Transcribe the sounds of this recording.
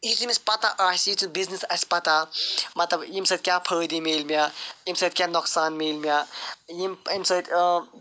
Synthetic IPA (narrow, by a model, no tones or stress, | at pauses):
it̪imispɐt̪aʔaːsit͡subiznisɐsʲpɐt̪amɐt̪lɐbjimsɐt̪̚kʲjapʰəːd̪imeːlmʲajimsɐt̪kʲanɔksaːnmeːlmʲajimimsɐt̪ʲ